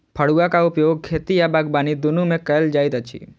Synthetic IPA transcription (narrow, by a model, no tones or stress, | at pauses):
pʰəɽuakaʊpjoːɡ̚kʰeːt̪ijabaɡ̚baːnid̪ʊnumẽkəld͡ʒaːjt̪ət͡ʃʰḭ